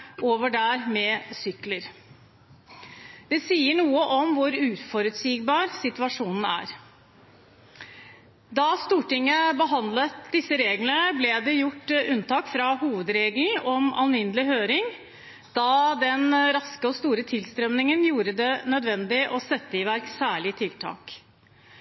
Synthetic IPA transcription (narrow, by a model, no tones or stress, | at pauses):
ʔoːʋəɖæɾmɛsʏkləɾ | d̪̥ɛsiːəɳuːəʔɔmʋʊɾʉːfɔɾʉt̪siːɡbɑːɾsɪt̪ʉɑʂuːnn̩æ̰ːɾ | d̪ɑst̪uːʈɪŋːəbəɦɑnd̪lət̪d̪ɪsːəɾeːɡlənəblɛd̪ɛjʊʈːʉnt̪ɑːkfɾɑhuːʋəd̪ɾeːɡln̩ɔmɑnʋɪnəlɪɦøːɾɪŋ | d̪̥ɑd̪ɛnɾɑskəɔst̪uːɾət̪ʰɪlst̪ɾœmnɪŋənjuːɾəd̪ɛnœd̪ʋɛnd̪ɪʔɔsɛt̪ːəɪʋæɾksæːɭɪt̪ʰɪlt̪ʰɑ̰ːk